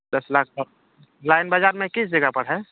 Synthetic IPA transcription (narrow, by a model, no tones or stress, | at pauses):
d̪əslaːk̚ʰpə | laːɪnbad͡ʒaːɾmẽkɪsd͡ʒəɡapəɽɦɛ